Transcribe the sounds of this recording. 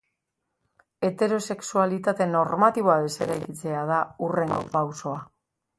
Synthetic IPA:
e̞t̪e̞ɾo̞se̞ksualit̪at̪e̞no̞ɾmat̪iβ̞o̞aðe̞se̞ɾajkit͡se̞að̞aure̞ŋɡo̞̰pawso̞a

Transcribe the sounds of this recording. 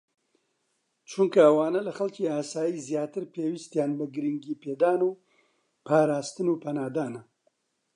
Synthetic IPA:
t͡ʃʰuŋkɐɐwaːnɐlɐxɐlciːaːsaːjiːzjaːt̪ɨɾpʰeːwist̪jaːnbɐɡɨɾiŋɡiːpʰeːd̪aːnuː | pʰaːɾaːst̪ɨnuːpʰɐnaːd̪aːnɐ

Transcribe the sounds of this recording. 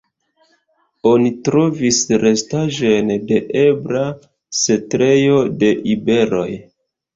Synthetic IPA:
o̞nitɾo̞visɾe̞staʒo̞nde̞ʔebɾa | setɾe̞jo̞de̞ʔibe̞ɾo̞j

